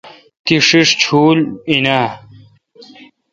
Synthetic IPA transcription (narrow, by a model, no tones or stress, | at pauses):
t̪iʂiʂt͡ɕʰuːlina